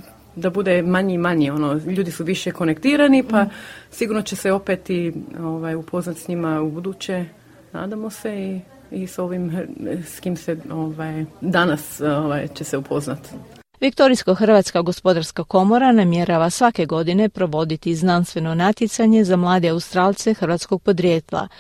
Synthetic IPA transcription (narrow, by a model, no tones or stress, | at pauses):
d̪abud̪emaɲiimaɲio̞noʎuːd̪isuʋiʃeko̞nekt̪iːɾanipasiɡuɾnot͡ɕe̞seo̞pet̪ioʋajupʰo̞znat̪sɲimaubud̪uːt͡ɕe | na̰ːd̪amo̞sei | iso̞ʋimskimseoʋajd̪anasoʋajt͡ɕe̞seupʰo̞znat̪ | ʋikt̪o̞ɾiskoxr̩ʋat̪skaɡo̞spo̞d̪aɾskako̞mo̞ɾanamje̞ɾaʋasʋake̞ɡo̞d̪ine̞pɾo̞ʋo̞d̪it̪iznanst̪ʋe̞no̞nat̪jet̪saɲe̞zamlˠaːd̪eaust̪ɾaːlˠt̪se̞xr̩ʋat̪sko̞ɡ̚po̞d̪ɾjeːt̪la̰